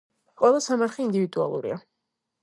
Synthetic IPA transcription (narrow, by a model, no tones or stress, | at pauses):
qʼwɛlˠasamaɾχiind̪ivid̪ua̰lˠṵɾḭa